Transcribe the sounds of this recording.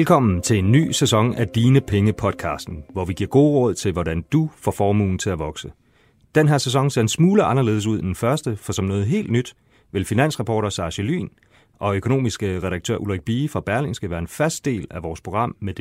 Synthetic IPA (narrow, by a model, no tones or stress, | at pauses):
lkʰɒ̽m̰n̩t͡sʰe̝e̝nːy̰ːsæsɒ̽ŋæd̥iːnəpʰeŋəpʰɒ̽d̥̚kʰɑ̰̈ːsd̥n̩ʋɒʋiɡ̥iɐ̰ɡ̥o̝ːʁɔ̽ð̰ˠt͡sʰe̝lʋɒdɾænd̥ufɒfɒːmṵːn̩t͡sʰe̝æʋɒ̽ɡ̥sə | d̥enɦæɐ̰ses̬ɒ̽ŋ̰se̝ɐe̝nsmuːləʔɑ̈nɐle̝̰ːð̞ˠs̬uð̞̰ˠed̥enfɶɐsd̥əfɒ̽sɒ̽mnɔ̽ːð̞̩ˠɦe̝̰ːld̥nyd̥ | ʋe̝lfinæn̰sʁɑpʰɒːɾɐsɑ̈ɕəly̰ːn | ʔɒ̽økʰo̝no̝̰ːmisɡ̥əʁɛɾɑ̈ɡ̥̚t͡sʰø̰ɐ̰ʔulʁɛɡ̥̚b̥iːfʁɑ̈b̥æɐle̝ŋsɡ̥æʋæːɐe̝nfæsd̥e̝̰ːlæʋɒːspʰʁo̝ɡ̥ʁɑ̈m̰med̥e